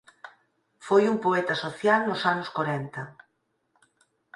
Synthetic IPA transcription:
fojumpoɛt̪ɐsoθjalnʊsanʊskoɾɛnt̪ɐ

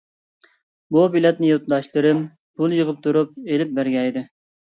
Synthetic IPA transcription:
bubilɛt̪̚nɪjot̪d̪ɑʃlˠɨɾɨm | b̥ulˠjəʁəp̚t̪ʰuɾup̚elɪp̚bæɾɡʲɛjd̪ɪ

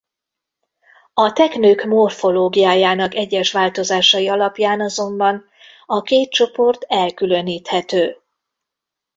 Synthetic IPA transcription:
ɒt̪ɛknøːkmo̞rfo̞loːɡijaːjaːnɒkɛɟːɛʃʋaːlt̪o̞zaːʃɒjiɒlɒpjaːnɒzo̞mbɒn | ɒkeːt̪̚t͡ʃo̞po̞rt̪ɛlkylø̞niːt̪hɛt̪øː

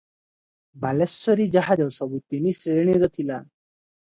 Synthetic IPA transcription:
balesːɔɾid͡ʑaɦad͡ʑɔwsɔbut̪eniːsɾeɳ̃iɾət̪ʰila

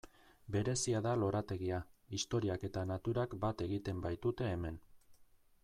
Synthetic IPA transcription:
be̞ɾe̞siaðalo̞ɾat̪e̞ɣiaist̪o̞ɾiake̞t̪anat̪uɾakbat̪e̞ɣ̞it̪e̞mbajt̪ut̪e̞ːme̞n

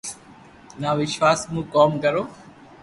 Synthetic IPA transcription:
naːʋɪʃʋaːsmũːkɔːmkəɾoː

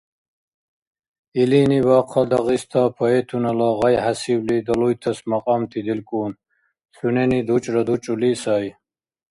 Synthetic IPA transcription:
iliniwaqʰad̪ɐʁist̪ʰapʰɔɛt̪ʰunalaʁajɦasiwlid̪ɐlujt̪ʰɐsmaqʼamt̪ʰid̪ilkʼun | sʰunɛnid̪ut͡ʃʼɾɐd̪ut͡ʃʼulisaj

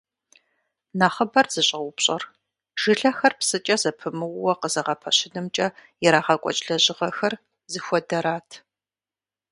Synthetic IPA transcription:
naːχəbɐrz̥ɨɕʼɐwʷʊpɕʼɐr | ʒ̥ɪɬɐxɐrpsɨt͡ʃʼɐzɐpʰɨmɨwwɐqəzɐʁɐpʰɐɕɪnɨmt͡ʃʼɐjɛɾaːʁɐkʷʼɔ̰t͡ʃʼɬɐʑʼɪʁɐxɐr | zɨxʷɔdɐɾaːtʰ

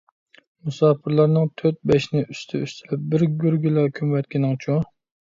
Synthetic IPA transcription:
musɑːpʰɪɾlˠɑɾnɨŋt̪ʰøt̪̚bɛʃnɪʔyst̪ʰɪyst̪ʰɪlɪp̚bɪɾɡʲyɾɡʲylɑkʲʰymwɛt̪̚kʲinɪŋt͡ʃʰu

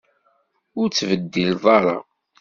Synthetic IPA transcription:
ʊɾt͡sːvəd̪ːilðˤɑɾˤɑ̰

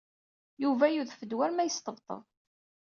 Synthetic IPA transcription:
juvæjuðfəd̪wæɾmæjəst̪əvt̪ˤə̰ðˤ

